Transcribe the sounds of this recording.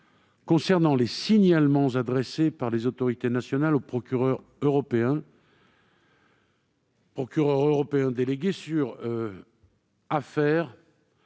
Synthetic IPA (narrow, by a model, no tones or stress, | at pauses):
kɔ̃sɛʁnɑ̃lesiɲalmɑ̃zad̪ʁesepaʁlezot̪ɔʁit̪enasjɔnalopχɔkʲyʁœʁ | øʁɔpeɛ̃ | pχɔkʲyʁœʁøʁɔpeɛ̃d̪eleɡʲesyʁ | afɛːʁ